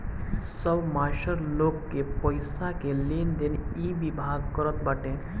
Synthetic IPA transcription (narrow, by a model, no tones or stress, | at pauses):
səbmaʃəɾlokːepəjsakelend̪enibibʱaɡkəɾət̪baʈẽ